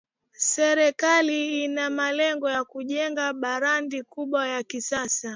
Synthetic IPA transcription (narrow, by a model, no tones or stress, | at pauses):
sɛɾɛkaliinamalɛŋɡɔjakuʄɛŋɡaɓaɾandikuɓwajakisasa